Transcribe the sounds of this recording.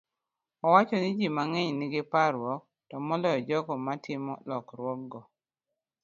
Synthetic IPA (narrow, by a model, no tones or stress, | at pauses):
ɔwat͡ʃɔnid͡ʒimaŋɛɲnɪɡɪpaɾwɔk̚ | tɔmɔlɔjɔd͡ʒɔkɔmatʰɪmɔlɔkɾwɔk̚ɡɔ